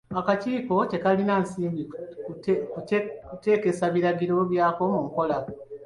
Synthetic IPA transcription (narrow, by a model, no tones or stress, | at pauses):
akaciːko̞te̞kalinansiːmbi | kute̞ːke̞saβiɾaɡiɾo̞βjaːko̞muŋko̞la